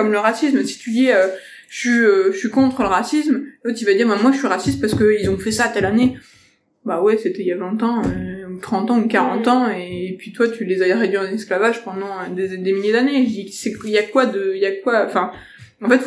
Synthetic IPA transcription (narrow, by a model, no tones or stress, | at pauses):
ɔmləʁasismsi̥t̪yd̪iø | ʃiøʃəɥikɔ̃t̪χələʁasism̃fɛt̪yvad̪iʁbɛ̃mwaəɥiʁasist̪̚pasə̥kəilzɔ̃fɛsat̪ɛlane | bawɛset̪ɛjavɛ̃t̪ɑ̃øt̪χɑ̃t̪ɑ̃ukaʁɑ̃t̪ɑ̃eːpɥit̪wat̪ylezaɛʁed̪ɥiɑ̃nɛsklavaʒpɑ̃d̪ɑ̃ød̪ed̪emiljed̪aneisɛjakwad̪əijakwaɑ̃fɛ̃ | ɑ̃fɛt̪